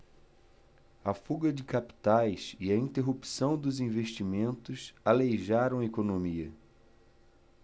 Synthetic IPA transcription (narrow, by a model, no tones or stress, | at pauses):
ɐfuɡɐd͡ʒɪkapi̥t̪ajsiɐĩnt̪eɦupi̥sɐ̃w̃d̪ʊzĩveʃt͡ʃimẽnt̪ʊsalejʒaɾɐ̃w̃ɐekonõmiɐ